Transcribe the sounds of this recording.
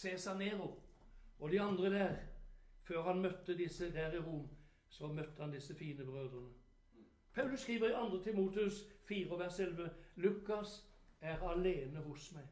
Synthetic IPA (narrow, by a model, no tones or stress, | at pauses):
seːsɑneːʁʊ | ɔd̪ɪɑnd̪ʁəd̪æːʁføːɾhɑnmœt̪ːəd̪ɪsəd̪æːɾɪɾum | sɔmœt̪ːəhɑnd̪ɪsːəfiːnəbʁøːd̪ɾənə | pʰɑʉlʉsskʁiːʋəʁɪʔɑnd̪ʁət̪ʰɪmuːt̪ɪʉsfiːʁəɔʋæʁsɛlʋəlʉkːɑs | æʁɑleːnəhʊsmæɪ